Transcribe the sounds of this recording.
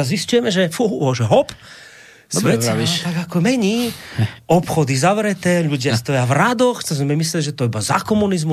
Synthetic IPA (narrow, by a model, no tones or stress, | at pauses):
aziscujɛmɛʒɛfuɔʒɛɦɔp | sɛt̪aɡakɔmɛɲiː | ɔpxɔd̪izaʋɾɛt̪ɛːʎuɟɪast̪ɔjavɾad̪ɔxtɔzmɛmɛmislɛliʒɛt̪ɔibaza̰kɔmunizmu